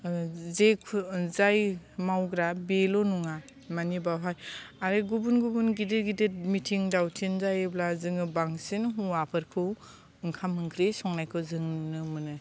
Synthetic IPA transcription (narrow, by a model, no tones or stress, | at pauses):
zekʰzajmawɡɾabelɔnuŋa | manibawɦajaɾeɡubunɡubunɡidɯɾɡidɯtmitʰiŋdawtʰinzajeblazɯŋɯbaŋsenɦuapʰɯɾkʰɯw | ɯŋkʰamɯŋkʰɾesɔŋnajkʰɯzɯŋnɯmɯnɯ